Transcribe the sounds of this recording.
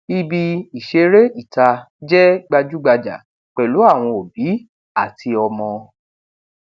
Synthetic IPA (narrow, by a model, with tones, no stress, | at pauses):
i˧bi˧i˨ʃe˧ɾe˦i˦˨ta˧ | d͡ʒɛ˦ɡ͡ba˧d͡ʒu˦ɡ͡ba˧d͡ʒa̰˨ | k͡pɛ˨lu˨˦a˦˨w̃ɔ̃˧o˨bi˨˦ | a˦˨tʰi˧ɔ˧mɔ̃˧